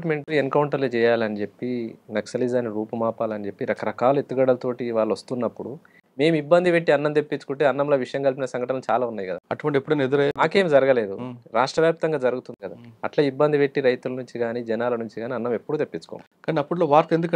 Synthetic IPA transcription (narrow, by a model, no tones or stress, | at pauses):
ʈme̞ɳʈieŋkɐwuɳʈɐɾlut͡ʃɛːjaːliɐnid͡ʒe̞pːinɐksɐlid͡ʒaːniɾuːpɐmaːpaːlɐnid͡ʒe̞pːiɾɐkɐɾɐkaːlue̞t̪ːuɡɐɽɐlt̪o̞ːʈiʋaːɭːʋɐst̪unːɐpːuɽu | me̞ːmibːɐnd̪iʋeʈːiɐnːɐmt̪epːit͡ʃu̥kuɳʈeːɐnːɐmlo̞ːʋiʂɐjɐmkɐlp̬inɐsɐŋɡɐʈɐnɐlut͡ʃaːlaːunːaːjikɐd̪a̰ɐʈuʋɐɳʈepːuɽɐned̪uɾenaːke̞ːmd͡ʒɐɾɐɡɐle̞ːd̪uɾaːʂʈɾɐʋjaːp̚t̪ɐŋɡaːd͡ʒɐɾuɡut̪und̪ikɐd̪aːɐʈlaːibːɐnd̪iʋeʈːiɾɐjt̪ulɐnuɲt͡ʃiɡaːniːd͡ʒɛnaːlɐnuɲt͡ʃiɡaːniɐnːɐme̞pːuɽut̪epːit͡ʃu̥ko̰ːn | kaːniɐpːuɽloːʋaːɾt̪end̪ukɐ